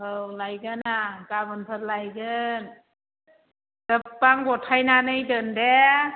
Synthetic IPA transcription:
hɯwlajɡɯnaɡabɯnpʰɯɾlajɡɯn | dəppːaŋbɔtʰajnanɯjdɯnde

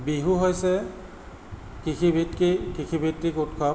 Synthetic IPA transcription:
biɦuɦojsɛ | kikʰibitkikikʰibitːikutkʰɔ

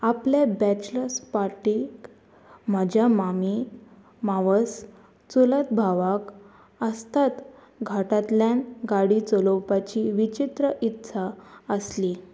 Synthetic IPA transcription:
apljabɛt͡ɕləspaɾʈik | məd͡ʑʱamami | maʋəs | t͡sulat̪̚bʱaʋak | əst̪at̪ | ɡʱaʈãt̪ljanɡaɽit͡solowpat͡ɕiʋit͡ɕit̪ɾəʔit̪sʰaəsli

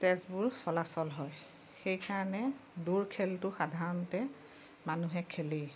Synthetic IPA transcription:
tɛzbʊɹsɔlasɔlɦɔj | xejkaɹɔnɛduɹkʰɛltʊxadʱaɹɔntɛ | manuɦɛkʰelij

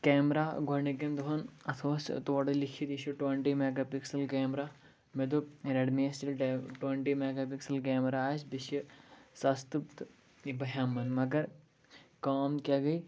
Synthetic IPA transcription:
keːmɾaːɡʱɐɳik̬ɐnd̪oɦɐnɐt̪ʰʋɐst̪oːɽɐlikʰit̪iʃiʈweɳʈimeːɡɐpiksɐlkeːmɾaː | med̪uɾeɖmeːstɐɾɖʈweɳʈimeːɡɐpiksɐlkeːmɾaːt͡ʃbiʃisɐst̪upt̪ | bɐɦaːmːɐnmɐɡɐɾ | kaːmkɐɡɐi

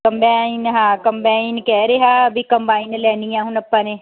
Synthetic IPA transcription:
kəmbaːinɦãːkəmbɛːinkɛːɾeːɦaːbiːkəmbaːinlɛːnijãːɦʊnəpːãːneː

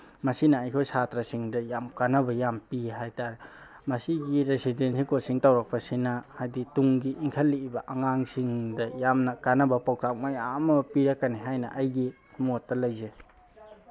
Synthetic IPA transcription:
mɐsinɐːjkʰojsatɾasiŋdɐjamkanɐbɐjampiɦajtaɾ | mɐsiɡiɾesidensiŋkosiŋtawɾɐk̚pɐsinɐhajdituŋɡiʔiŋkʰɐlːibɐʔɐŋaŋsiŋdɐjamnɐkanɐbɐpawkɾak̚majamɐpiɾɐkːɐniɦajnɐ̰ʔɐjɡi | motːɐlɐjze

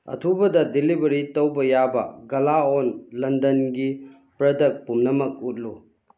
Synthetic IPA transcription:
ɐ̰tʰubɐdɐdilibɐɾitɐwbɐjabɐ̰ɡɐlaonlɐndɐnɡi | pɾɐdɐk̚pumnɐmɐk̚ut̚lu

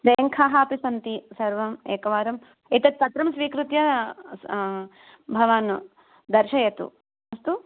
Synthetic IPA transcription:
d̪ɐjɐŋkʰaːɦaːpisɐnt̪isɐɾʋɐmeːkɐʋaːɾɐm | et̪ɐt̪̚t̪ɐt̪ɾɐmsʋiːkɾut̪jɐ | bʱɐʋaːnu | d̪ɐɾʃɐjɐt̪ṵ | ɐst̪u

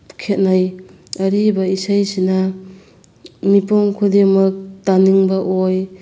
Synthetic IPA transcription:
kʰet̚naj | ɐɾibaisajsina | mipoŋkʰudemɐk̚taniŋbaʔoj

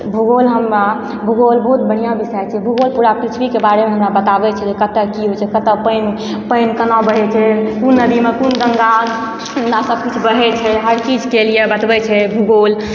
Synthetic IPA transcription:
bʱuɡolɦəmɾa | bʱuɡolbəɦut̪̚bəɽ̤ijãbisat͡ʃʰɛbʱuɡolpuɾapɾit͡ʃʰwikebaɾemẽɦəɦnabət̪abɛt͡ʃʰɛd͡ʒekət̪əkiɦojt͡ʃʰɛkət̪əpən | pəjnkənãbəɦɛt͡ʃʰɛkunːəd̪imekund̪əŋɡa | nasəb̚kit͡ʃʰbəɦɛt͡ʃʰɛɦəɾt͡ʃid͡ʒkelijebət̪bɛt͡ʃʰɛbʱuɡol

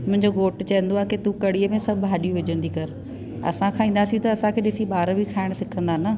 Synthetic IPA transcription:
mʊ̃ɦɪ̃ɲd͡ʑoɡoːʈt͡ɕɐə̃nd̪oaːket̪ũkɐɽiəmẽsɐbʱɦaːɗijũʋɪd͡ʑə̃nd̪ikɐɾ | ɐ̰sãkʰaːĩːnd̪aːsijũt̪ɐːsãkʰeːɗɪsiɓaːɾəbʱikʰaːɪɽ̃sɪkʰə̃nd̪aːnɐ

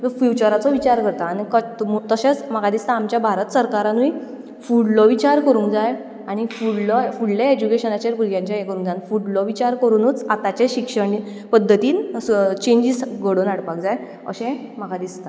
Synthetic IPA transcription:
əfjut͡ɕəɾat͡sɔʋit͡ɕaɾkəɾt̪aːñikəmt̪əɕet͡sm̤aɡad̪ist̪aːmt͡ɕjabʱaɾət̪səɾkaɾanũi | fuɽlɔʋit͡ɕaɾkəɾũŋkd͡zaj | aɽ̃ifuɽlɔfuɽleed͡ʑukeɕənat͡ɕeɾpuɾjãɲt͡ɕjajekəɾũːŋkd͡zanfuɽlɔʋit͡ɕaɾkəɾuːnut͡sat̪at͡ɕeɕikʂəɳi | pəd̪ʱːət̪iːnt͡ɕeɲd͡ʑisɡʱoɽonaɽpak̚d͡zaj | ə̰ɕẽ | maɡʱad̪ist̪a

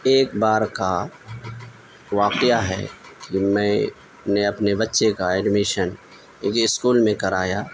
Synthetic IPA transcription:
eːkbaːɾka | ʋaːqejaɦɛ̰kimɛ̃ː | neɐpnebɐtːʃekaɛːɖmiʃən | kiɪskuːlmẽkɐɾaːjaː

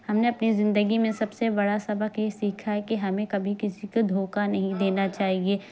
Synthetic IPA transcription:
hɐmneɐpnizɪ̃nd̪əɡimẽsɐbsebɐɽasɐbʱəkjesiːkʰaɦɛkiɦɐmẽkɐbʱikɪsikod̪ʱoːkanɐɦĩd̪eːnat͡ʃaːɦieː

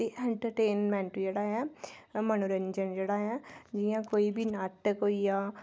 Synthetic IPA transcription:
t̪eʔɛ̃ːɳʈəɾʈeːnmɛ̃ɳʈd͡ʒeːɽaːɦɛːmənoɾə̃ɲd͡ʒənd͡ʒeːɽaːɦɛːd͡ʒɪjãːkoːiːbiːnat̪əkoːijaː

